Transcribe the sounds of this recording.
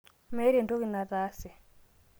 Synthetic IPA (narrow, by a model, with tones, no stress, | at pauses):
mɛ˦ɾe˨ndo˦ki˨na˨ða˦sɛ˨